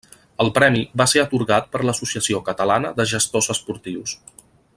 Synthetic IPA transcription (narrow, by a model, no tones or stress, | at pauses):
əlˠpɾɛmiβaseət̪uɾɣat̪̚pəɾləsusiəsiokət̪əlanəðəʒəst̪ozəspuɾt̪iws